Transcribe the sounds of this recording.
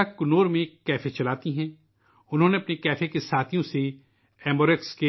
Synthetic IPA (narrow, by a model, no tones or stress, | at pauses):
akʊnoːɾmẽːkːɛːfʰet͡ʃɐlaːt̪iɦɛ̃ː | ʊnɦõːneɐpnikɛːfekesaːt̪ʰijõse | ɛːmboːɾekske